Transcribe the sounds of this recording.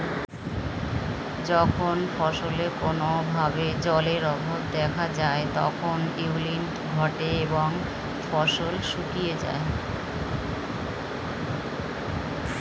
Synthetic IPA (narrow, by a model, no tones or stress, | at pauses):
d͡ʑɔkʰonfɔʃolekonobʱabed͡ʑɔleɾɔbʱobd̪ɛkʰad͡ʑaet̪ɔ̰kʰoniulinʈɡʱɔʈeeboŋ | fɔʃolʃukijed͡ʑa̰e